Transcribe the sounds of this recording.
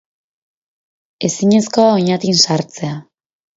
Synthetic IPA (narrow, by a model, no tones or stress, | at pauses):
e̞siɲe̞sko̞aoɲat̪insaɾt͡se̞a